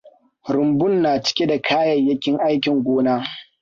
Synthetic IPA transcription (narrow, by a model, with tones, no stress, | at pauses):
ɾʊ˨mbʊ˦nːaː˨t͡ʃɪ̥˦kʲe˦da˨kʰaː˦jɐ˨jjːɐ˦kʲɪ˦ŋʔa˦jkʲɪ˨ŋɡʷoː˦naː˦